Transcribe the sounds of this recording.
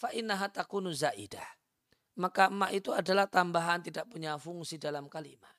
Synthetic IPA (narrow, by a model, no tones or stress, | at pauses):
faʔɪnːaɦat̪akuːnuzaʔḭdah | makamːaʔit̪uadalaht̪ambaɦant̪idaʔ̚puɲafuŋsidalamkalima